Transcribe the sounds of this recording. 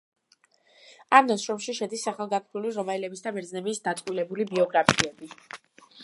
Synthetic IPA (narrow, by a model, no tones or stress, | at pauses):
anɔsʃɾɔmʃiʃɛd̪isaχalˠɡakʰbuliɾɔmailɛbisd̪abɛɾd̪znɛbisd̪at̪sʼqʼwilɛbulibiɔɡɾapʰiɛbi